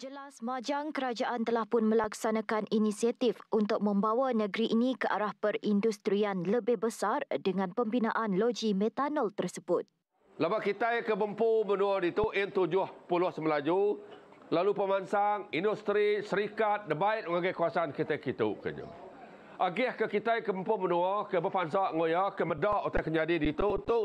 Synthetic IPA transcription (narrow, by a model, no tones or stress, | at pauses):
d͡ʒəlasmad͡ʒaŋkəɾad͡ʒaʔant̪əlahpʊnməlaksanãkaninisiat̪ifʔunt̪ʊk̚mə̃mbawanə̃ɡɾiʔinĩkəʔaɾahpərindust̪ɾianləbɪhbəsardəŋãnpəmbina̰ʔanlod͡ʒimɛ̃t̪anəlt̪ərsəbʊt̪̚ | labaʔkit̪ajkəbəmpumənuɔdit̪uʔɪnt̪ud͡ʒʊhpuluahsəməlad͡ʒu | lalupəmansaŋindust̪ɾisəɾikat̪̚dəbaɪt̪̚məŋaɡajkuasankit̪ajkit̪ṵʔkə̰d͡ʒə̰ | ʔaɡɪhkəkit̪ajkəbəmpumənuɔkəbəpansaʔŋojakəmədaʔut̪ajkəɲd͡ʒadidit̪uunt̪ʊ